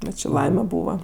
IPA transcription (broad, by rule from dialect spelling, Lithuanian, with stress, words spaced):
ˈbʲɛt t͡ʃʲɪ ˈlˠɐɪmʲɛ ˈbuːʋɐ